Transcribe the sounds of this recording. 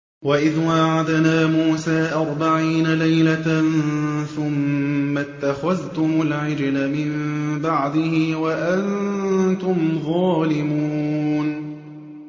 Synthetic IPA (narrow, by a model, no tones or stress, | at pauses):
waʔɪðwaːʕad̪naːmuːsaːʔɑɾˤbaʕiːnalajlaanθʊmːat̪ːaxaðt̪ʊmʊlʕɪd͡ʒlamɪmbaʕd̪ɪhɪwaʔant̪ʊmðˤɑːlɪmun